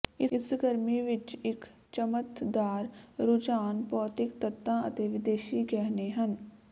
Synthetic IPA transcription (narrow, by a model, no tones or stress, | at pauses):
ɪɪsɡəɾmiʋɪt͡ʃɪk | t͡ʃəmət̪d̪aːɾɾʊd͡ʒaːnpɔːt̪ɪkt̪ət̪ːãːʔə̰t̪eːʋɪd̪eːʃiɡɛːɦneɦən